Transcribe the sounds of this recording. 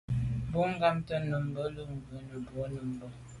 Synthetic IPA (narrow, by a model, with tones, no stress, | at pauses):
bu˦ŋ˦ɡa˦mtə˦nə˨m̩˦bə˦lə˦ŋ̩˨ɡə˨˦nə˨bu˨˦nə˨m̩˦bə˦